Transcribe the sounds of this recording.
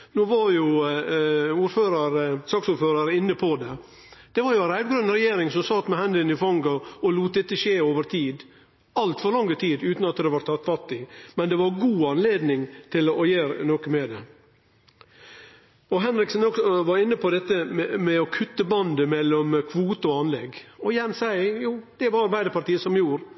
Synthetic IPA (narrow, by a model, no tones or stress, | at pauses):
noːʋɑɾjʊ | uːɾføːɾəɾəsɑːksuːɾføːɾəɾɪnːəpʰɔd̪ɛ | d̪̥ɛʋɑɾjʊɛnɾæɪd̪ɡɾʉnɾɛjeːɾɪŋsɔmsɑt̪ːmɛhɛnd̪ɪənɪfɔŋɡɑɔluːt̪̚d̪ɛt̪ːəʂeːoːʋəɾt̪ʰiːd̪ | ɑlt̪fɔɾɭɑŋːət̪ʰiːd̪ʉːt̪nɑt̪d̪ɛʋɑɾt̪ʰɑt̪ːfɑt̪ːɪmɛnd̪ɛʋɑɾɡuːɑnleːd̪nɪŋt̪ʰɪlɔjeːɾnoːkəmɛd̪ɛ | ɔɦɛnɾɪksənɔksɔʋɑɾɪnːəpʰɔd̪ɛt̪ːəmɛɔkʰʉt̪ːəbɑnd̪əmɛlːɔmkʰʋuːt̪əɔɑnlɛɡɔjɛnsæɪjuːd̪̥ɛʋɑɾɑɾbæɪəɾpɑɾʈ̪iːəsɔmjuːɾ